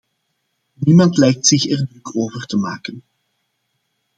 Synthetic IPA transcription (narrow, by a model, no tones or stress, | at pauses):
nimɑntlɛjk̚tsɪxɛrdrɵkʰoːvərtəmaːkən